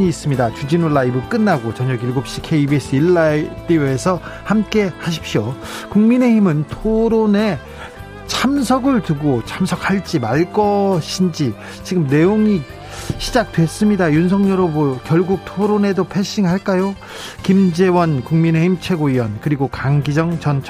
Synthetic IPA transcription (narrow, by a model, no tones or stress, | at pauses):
ɲiːs͈ɯmɲidat͡ɕud͡ʑinoɭːaibɯɭk͈ɯnːaɡot͡ɕʌɲʌɡiɭɡop̚ɕ͈ikʰeibies͈ɯiɭːait͈ioesʰʌ | hamk͈e̞haɕ̬ʰi̥p̚ɕio | kuŋmine̞ɦimɯntʰoɾone̞ | t͡ɕʰamsʰʌɡɯɭtɯɡot͡ɕʰamsʰʌk̚ʰaɭt͡ɕ͈imaɭk͈ʌɕʰind͡ʑi | t͡ɕiɡɯmne̞joŋi | ɕʰid͡ʑak̚twe̞s͈ɯmɲidajunsʰʌŋɲʌɾobokjʌɭɡuk̚tʰoɾone̞dopʰeɕ͈iŋɯɭɦaɭk͈ajo | kimd͡ʑe̞wʌnkuŋmine̞himt͡ɕʰe̞ɡoiwʌnkɯɾiɡokaŋɡid͡ʑʌŋt͡ɕʌnt͡ɕʰ